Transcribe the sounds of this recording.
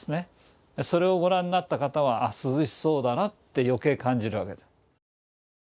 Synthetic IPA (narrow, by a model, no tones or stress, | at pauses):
sɨne̞ | so̞ɾe̞o̞ɡo̞ɾãɲ̟ːinat̪ːakat̪aβ̞aʔːsɨzɨɕi̥so̞ːd̪anat̪ːe̞jo̞ke̞ːkãɲ̟d͡ʑiɾɯ̟βake̞d̪e